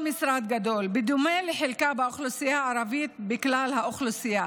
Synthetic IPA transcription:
misɾad̪ɡad̪o̞lbed̪umeleħelkabaoχlusijaʕaɾavit̪̚bɪklalhaʔoχlusija

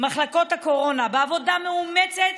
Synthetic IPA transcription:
maχlako̞thako̞ʁo̞nabeavo̞dameumet͡set̪

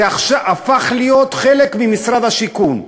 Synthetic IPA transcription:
aχʃaafaχlijo̞t̪χe̞le̞kmimisɾad̪haʃikun

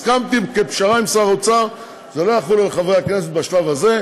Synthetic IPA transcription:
skamt̪ikepʃaʁaimsaʁot͡saʁ | zelo̞jaχulalχaveakne̞set̪baʃlavaze̞

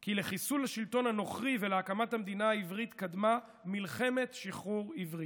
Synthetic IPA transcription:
kile̞χisulhaʃilt̪o̞nhano̞χʁiveleakamathamd̪inaaivʁit̪kad̪ma | milχe̞me̞t̪ʃiχuʁivʁi

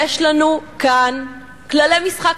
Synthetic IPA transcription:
eʃlanukan | klalejmisχak

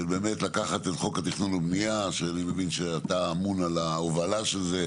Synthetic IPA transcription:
ebe̞ːmetlakaχat̪etχo̞kat̪iχnunabnijaʃeanimevinʃeataːmunalaovalaʃelze̞

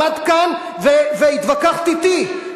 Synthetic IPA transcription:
ad̪kan | veveit̪vakaχt̪it̪i

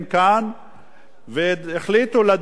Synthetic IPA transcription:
mkan | veeχlit̪ulad̪

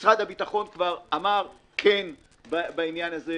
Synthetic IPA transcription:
sʁad̪habitaχo̞nkvaʁamaʁ | kʰen | babainjanaze

